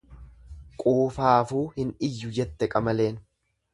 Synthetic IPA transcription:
kʼuːfaːfuːhɪnɪjːʊd͡ʒɛt̪ːɛkʼɐmɐle̞ːn

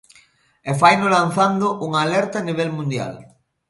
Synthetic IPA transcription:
efajnolanθand̪ʊʔuŋaːlɛɾt̪aːniβ̞elmũnd̪ja̰l

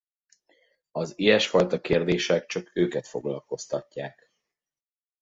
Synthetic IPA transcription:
ɒzijɛʃfɒjt̪ɒkeːrd̪eːʃɛkt͡ʃɒkøːkɛt̪fo̞̰ɡlɒlko̞st̪ɒcːaːk

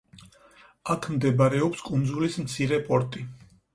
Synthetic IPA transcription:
akʰmd̪ɛbaɾɛɔpskʼund̪zulismt̪sʰiɾɛpʼɔɾt̪ʼi

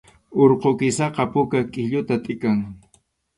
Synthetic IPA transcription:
oɾqokɪsɑqɑpʊkakʼɪʎʊt̪at̪ʼɪkaŋ

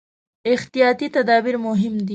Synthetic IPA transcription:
ɪxt̪ijɑt̪it̪ad̪ɑbiɾmʊɦɪmd̪i

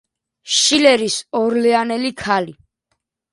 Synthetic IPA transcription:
ʃilɛɾisɔɾlɛanɛlikʰali

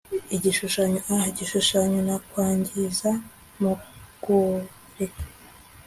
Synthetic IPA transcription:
iɟiʃuʃaɲoahaiɟiʃuʃaɲonakwaːɲɟiza | muɡ̥u | ɾekḁ

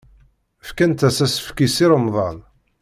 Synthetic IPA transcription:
əfkænt̪æsæsə̥fkisiɾəmðˤɑn

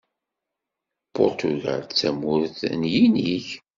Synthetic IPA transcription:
pʊɾt̪uʝa̰lt͡sːæmʊɾθnjiniç

